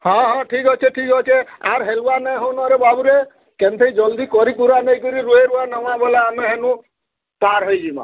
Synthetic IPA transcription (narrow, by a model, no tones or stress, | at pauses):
hɔ̃ɦɔ̃ʈʰikɔt͡ʃʰeʈʰikɔt͡ʃʰeaɾɦeluwanãɦɔwnɔɾebabuɾe | kent̪ʰeid͡ʒɔld̪ikɔɾikuɾanɔjkɔɾiɾueɾuanɔw̃ãbɔleameɦenũ | paɾɦɔjd͡ʒimã̰